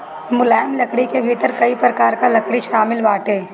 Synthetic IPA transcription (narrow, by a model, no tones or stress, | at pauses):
mʊlaːjmlɐkɽikebʱiːt̪əɾkɐipɾɐkaːɾkalɐkɽiʃaːmɪlʋaːʈeː